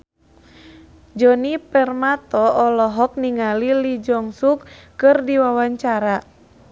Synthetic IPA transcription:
d͡ʒɔnipɛrmat̪ɔːlɔɦɔk̚niŋalilid͡ʒɔŋsukːɨrdiwawaɲt͡ʃaɾa

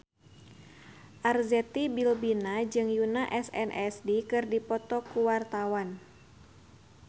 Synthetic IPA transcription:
ʔarzɛt̪ibilbinad͡ʒɨŋjunaʔɛsɛ̰nʔɛsdikɨrdipɔt̪ɔkuwart̪awan

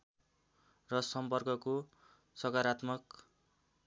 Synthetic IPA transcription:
rʌsʌmpʌrkʌko | sʌkaɾat̪mʌk

